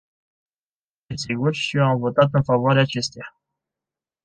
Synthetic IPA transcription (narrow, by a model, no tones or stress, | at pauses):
esiɡurʃiamvo̞t̪at̪̬ɨnfavoaɾeaːt͡ʃe̞st̪eja